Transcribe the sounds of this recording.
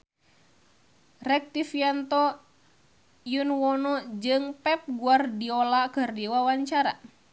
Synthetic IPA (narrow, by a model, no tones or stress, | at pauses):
rɛk̚t̪ifiant̪ɔ | junwɔnɔd͡ʒɨŋpɛp̚ɡuardiɔlakɨrdiwawaɲt͡ʃaɾa̰